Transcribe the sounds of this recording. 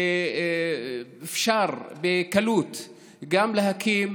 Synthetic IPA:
efʃaʁbekalut̪ | ɡamleɦakʰim

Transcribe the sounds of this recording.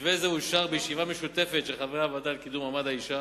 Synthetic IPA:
vezeuʃaʁbejeʃivameʃut̪e̞fet̪ʃeχaveʁaːvod̪alkid̪umamad̪aiʃa

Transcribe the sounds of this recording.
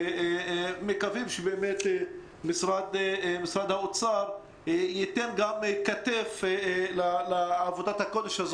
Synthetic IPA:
mekavimʃebeːmet̪e | misʁad̪misʁad̪haot͡saʁ | jit̪enɡamkat̪eflaleːvod̪at̪hako̞d̪eʃhaz

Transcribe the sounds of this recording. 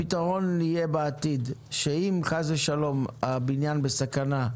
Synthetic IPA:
it̪aʁo̞nːijebeat̪id̪ʃeimkazeʃalo̞mabinjanbesakana

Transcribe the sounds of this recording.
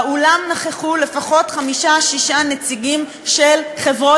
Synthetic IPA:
ulamnaχeχule̞faχo̞tχamiʃaʃiʃanet͡siɡim | ʃelχe̞vʁo

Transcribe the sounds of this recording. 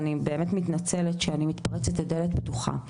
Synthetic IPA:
nibe̞ːmetmitnat͡seletʃeanimit̪paʁet͡setedeletbtuχa̰

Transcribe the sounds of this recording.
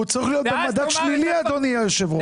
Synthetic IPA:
ut͡saʁiχlijo̞t̪̚bemad̪ad̪ʃliliad̪onijajoʃevu

